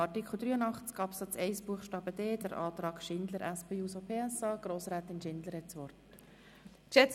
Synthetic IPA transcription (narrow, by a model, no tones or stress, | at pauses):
ɑɾtikʰχl̩ˠd̪ɾyːənɑχt͡sɡ̥ɑːpsɑt͡sɛɪsb̥uəχʃtɑːb̥əd̥eːd̥əɾʔɑːt̪ɾɑːɡ̥ʃɪnd̪ləɾʔæspeːuːsopʰeːɛsɑːɡ̥ɾoːsɾæːt̪ɪnʃɪnd̪ləɾhɛtt͡sʋɔrt | ʃɛt͡s